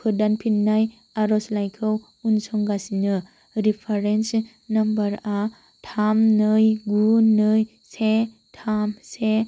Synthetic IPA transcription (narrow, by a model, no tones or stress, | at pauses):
pʰɯdanpʰinːaj | aɾɔslajkʰɯw | unsɔŋɡasinɯ | ɾipʰaɾens | nɐmbɐɾa | tʰamnɯjɡunɯj | se | tʰamse